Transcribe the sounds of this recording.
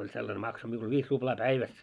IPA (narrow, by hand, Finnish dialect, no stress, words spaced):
olʲ selːɑne mɑkso miul ʋiːs rub̥lɑː pæiʋæs